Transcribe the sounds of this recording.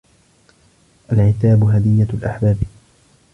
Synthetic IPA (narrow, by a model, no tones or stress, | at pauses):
ʔalʕɪt̪aːbɦad̪ɪjːalʔa̰ħbaːb